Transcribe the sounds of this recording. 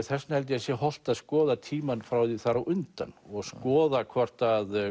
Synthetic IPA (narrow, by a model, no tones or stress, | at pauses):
θɛsnahɛlt̪̬ɪɛsjɛhɔl̥t̪aðskɔːðat̪ʰiːmanfɾawiθaɾawʔʏnt̪a̰nːɔɣskɔːðakʰvɔr̥t̪að